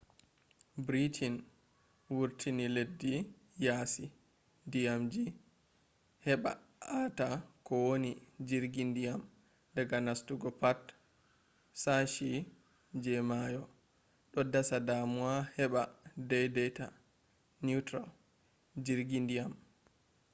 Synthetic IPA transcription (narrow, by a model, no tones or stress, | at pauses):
bɾitʰin | wuɾtʰiniledːi | jasi | dijamd͡ʒi | hɛɓa̰ | ʔatakɔwonid͡ʒiɾɡindijam | dɛɡanastuɡɔpat | saʃi | d͡ʒɛmajɔ | ɗɔdasadamuahɛɓadɛjdɛjta̰ | nutɾal | d͡ʒiɾɡindijam